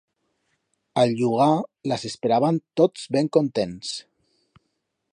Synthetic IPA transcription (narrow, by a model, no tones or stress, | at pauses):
əlʒuɣ̞aləsespeɾaβənt̪ot͡sβeŋkont̪ens